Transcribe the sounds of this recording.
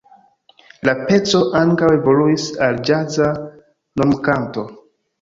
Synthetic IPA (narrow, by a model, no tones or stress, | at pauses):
lape̞t͡so̞ʔaŋkawe̞vo̞luisald͡ʒaza | nomkanto̞